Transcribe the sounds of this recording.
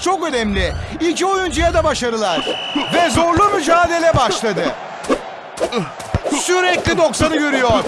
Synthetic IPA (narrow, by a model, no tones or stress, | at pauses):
t͡ʃʰo̞kø̞nɛmlʲɪicio̞jund͡ʒujad̪abaʃaɾɯlˠaɾ̥vɛzo̞ɾlˠumyd͡ʒaːd̪e̞lʲɛbaʃlˠad̪ɯ | syɾɛclʲid̪o̞ksanɯɟøɾyjoɾ̥